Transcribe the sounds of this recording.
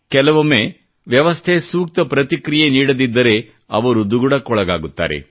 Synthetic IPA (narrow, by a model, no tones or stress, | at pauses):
kɛlɐʋɐme | ʋjɐʋɐst̪ʰesuːk̚t̪ɐpɾɐt̪ikɾijeniːɽɐd̪id̪ːɐɾe̞ | ɐʋɐɾud̪uɡuɽɐkɔɭɐɡa̰ːɡut̪ːa̰ːɾḛ